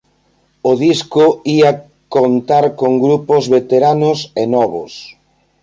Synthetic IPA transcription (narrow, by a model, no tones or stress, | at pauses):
oðiskʊia | kont̪aɾkoŋɡɾupozβet̪eɾanʊsenɔβʊ̰s